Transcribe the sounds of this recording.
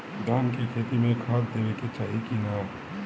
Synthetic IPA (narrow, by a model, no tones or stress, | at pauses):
ɖaːnkekʰeːt̪imẽkʰaːt̪d̪eːʋeket͡ʃaːɦikina